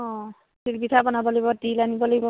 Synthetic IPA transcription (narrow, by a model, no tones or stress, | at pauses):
ɔ̃ | silbitʰabɔnabɔlɔjbɔdilanibɔlaɡbɔ